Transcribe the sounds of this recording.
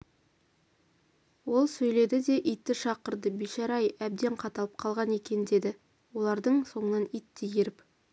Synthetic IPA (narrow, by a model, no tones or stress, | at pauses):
wo̞lˠsɵjle̞d̪ɪd̪e̞ʔijt̪ːɪʃɑqəɾd̪əbiʃɑɾɑjæb̚d̪e̞ɴqʰɑt̪ɑlˠəp̚qʰɑlˠʁɑne̞kʲe̞nɪd̪e̞d̪ɪ | wo̞lˠɑɾd̪əɴso̞ɴənɑnijt̪ːejeɾɪp